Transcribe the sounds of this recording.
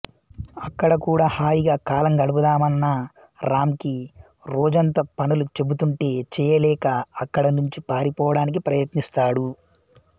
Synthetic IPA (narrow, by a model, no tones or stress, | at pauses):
ɐkːɐɽɐkuːɽaːhaːjiɡaːkaːlɐŋɡɐɽɐpud̪aːmɐnːɐ | ɾaːmki | ɾɔːd͡ʒɐnt̪ɐpɐnulut͡ʃe̞but̪uɳʈe̞ːt͡ʃɛːjɐlɛːkɐːkːɐɽɐnuɲt͡ʃipaːɾipɔːʋɐɽaːnik̬ipɾɐjɐt̪nist̪aːɽu